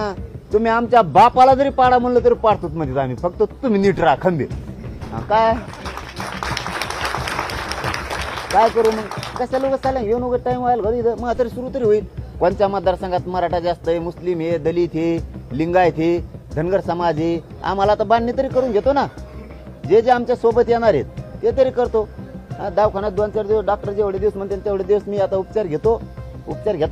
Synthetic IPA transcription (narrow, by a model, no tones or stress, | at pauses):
at̪um̤iamt͡ɕabapalad͡zəɾipaɽam̤ənlət̪̬əɾipaɽt̪ot̪̚mət̪it̪amifək̚t̪ːət̪um̤iniʈɾakʰəmbʱḛɦã̰kaj | kajkəɾumənkəsalokəsʰalãnjonoɡəɾʈaimajəlɡəd̪id̪əməat̪əɾisuɾut̪əɾiɦoit̪̚kont͡ɕamad̪ːaɾsə̃ŋɡat̪məɾaʈad͡zast̪əemuslimjed̪əlit̪ʰeliŋɡajt̪ʰed̪ʱənɡəɾsəmad͡ze | a̰m̤alat̪abanːit̪əɾikəɾuːnɡʱet̪ona | d͡ʑed͡zeamt͡ɕasobət̪jenaɾɦḛt̪̚ːet̪əɾikəɾt̪oɦãd̪awkʰanat̪̚d̪ɔnt͡ɕaɾd͡ʑeɖak̚ʈəɾd͡ʑeʋɽed̪ewsmənt̪ent̪eʋɽed̪ewsmiːat̪aupt͡ɕaɾɡʱet̪o | ṵpt͡ɕaɾɡʱet̪a